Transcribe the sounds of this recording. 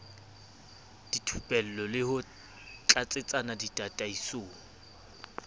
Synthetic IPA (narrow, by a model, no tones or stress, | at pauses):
d̥itʰupʼɛl̩lɔlɪhʊ | t͡ɬʼat͡sʼɪt͡sʼanaditʼatʼaisoːŋ̩